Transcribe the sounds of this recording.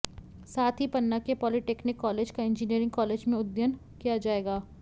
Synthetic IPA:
saːt̪ʰɦipɐnːakepɔːliʈeːknɪkːɔːleːd͡ʒkaɪ̃nd͡ʒiniəɾɪ̃ŋɡ̚kɔːleːd͡ʒmẽʊd̪jən | kijad͡ʒaːeːɡaː

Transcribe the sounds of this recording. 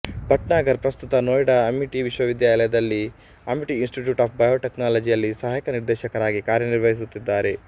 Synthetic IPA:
bʱɐʈnaːɡɐɾpɾɐst̪ut̪ɐnoːjɽɐɐmiʈiʋiʃwɐʋid̪jaːlɐjɐd̪ɐlːi | ɐmiʈiːnsʈiʈjuːʈaːp̚ʰbɐjoːʈeknaːlɐd͡ʒijɐlːisɐɦaːjkɐniɾd̪ɛːʃɐkɐɾaːɡikaːɾjɐniɾʋɐɦis̬ut̪ːid̪ːaːɾe̞

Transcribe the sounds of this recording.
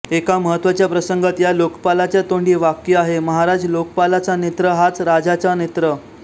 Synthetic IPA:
ekaməɦət̪ːʋat͡ɕjapɾəsəŋɡət̪jalokpalat͡ɕjat̪oɳɖiːʋakjəaɦeməɦaɾad͡zlokpalat͡sanet̪ɾəɦat͡sɾad͡zat͡sanet̪ɾə

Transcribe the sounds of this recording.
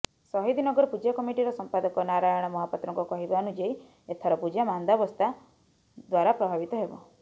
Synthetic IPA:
sɔɦid̪inɔɡɔɾɔpud͡ʒakɔmiʈiɾɔsɔmpad̪ɔkɔnaɾajɔɽ̃ɔmɔɦapɔt̪ɾɔ̃ŋkukɔɦibanud͡ʒej | et̪ʰɔɾɔpud͡ʒamand̪abɔst̪ʰa | d̪waɾapɾɔbʱabit̪ɔɦebɔ̰

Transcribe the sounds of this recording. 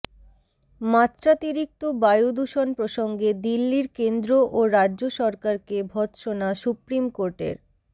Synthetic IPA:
mat̪ːɾat̪iɾik̚t̪obajud̪uʃonpɾoʃoŋɡed̪ilːiɾkend̪ɾoʔoɾadʑoʃɔɾkaɾkebʱɔt̪ʃonaʃupɾimkoɾʈḛɾ

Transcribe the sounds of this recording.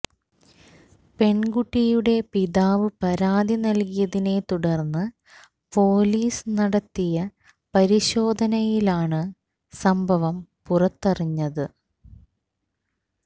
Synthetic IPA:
pe̞ɳɡuʈːijuɽe̞piðaːʋɨpɐɾaːd̪ʱinɐlkijɐðine̞t̪uɽɐrnːɨ | po̞ːliːsɨnɐɽɐt̪ːijɐ | pɐɾiɕo̞ːd̪ʱɐnɐjilaːɳɨ | sɐmbʱɐʋɐmpurɐt̪ːɐriɲːɐðɨ

